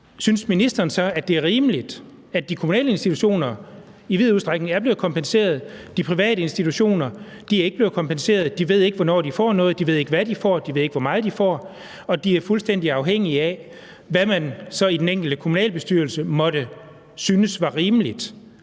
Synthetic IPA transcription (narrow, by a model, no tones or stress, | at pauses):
synsminisd̥ɐːnsɒ̽æd̥e̝æɐʁiːməlid̥ | æd̥ikʰo̝munɛ̰ːləe̝nsd̥it͡sʰuɕo̝̰ːnɐ | iʋið̰ˠuðˠd̥ʁaɡ̥neŋæɐb̥le̝ʊkʰɒ̽mpʰense̝̰ːɐð̞ˠd̥ipʰʁiʋɛ̰ːɾəe̝nsd̥it͡sʰuɕo̝̰ːnɐ | d̥iæɐeɡəble̝ʊð̩ˠkʰɒ̽mpʰense̝̰ːɐð̞̩ˠd̥iʋe̝ð̞̰ˠe̝ɡ̥əʋɒnɒ̰ːd̥ifɒ̰ːnɔ̽ːð̞̩ˠd̥iʋe̝ð̞̰ˠe̝ɡ̥əʋæd̥ifɒ̰ːd̥iʋe̝ðˠe̝ɡ̥ʋɒ̽mɑ̈ːð̩ˠd̥ifɒ̰ː | ɒ̽d̥iæɐfulsd̥en̰d̥iɑ̈ʊɦeŋ̰iæ | ʋæmænsɒ̽id̥eneŋ̰ɡ̥l̩d̥əkʰomunɛ̰ːlb̥e̝sd̥yɐl̩səmɒ̽dɾ̥ə | syːnəsʋɑ̈ʁiːməlid̥